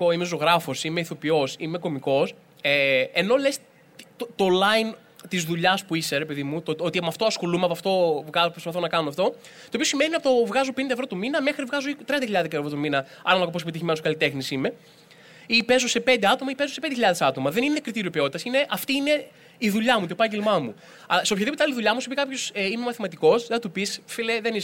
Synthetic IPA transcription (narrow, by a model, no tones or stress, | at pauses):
oimezo̞ɣɾɐfo̞simeiθo̞pio̞sime̞ko̞miko̞s | eeno̞le̞s | t̪ot̪olɐjn | t̪izðuʎɐspuiseɾepe̞ðimut̪ot̪o̞t̪imɐft̪o̞ɐsxo̞lumeɐpɐft̪o̞vɣɐopɾspɐθonɐkɐnumɐft̪o̞ | t̪oːpio̞sime̞ninɐpot̪ovɣɐzopenid̪ɐevɾo̞t̪uminɐme̞xɾivɣɐzoit̪ɾiɐnd̪çiʎɐðekeevɾo̞t̪uminɐ | ɐnɐnɐkoposepit̪içimnoskɐlit̪e̞xnisime̞ | ipe̞zose̞pend̪e̞ɐt̪o̞mɐipe̞zosend̪eçiʎɐðesɐt̪o̞mɐðe̞nine̞kɾit̪iɾiopio̞t̪it̪ɐsine̞ʔɐft̪iːne̞ | iðuʎɐmut̪oepɐɲɟelmɐmṵ | ɐseopçɐðipot̪eɐliðuʎɐmusipikɐpço̞simemɐθimɐt̪iko̞seɐt̪upisfileðenis